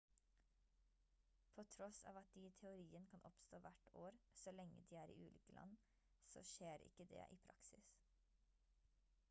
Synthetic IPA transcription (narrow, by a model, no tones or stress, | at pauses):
pʰoːt̪ʰɾɔsɑ̰ːʋɑt̪̚d̪iːt̪ʰɛʊɾiːənkʰɑnʔɔpst̪oːʋæʈoːɾsɔlɛŋə̰d̪iːæːɾḭːʔʉːlɪːkəlʔɑ̰n | so̰ːʃeːɾɪ̰kəd̪ḛːʔiːpʰɾɑksɪs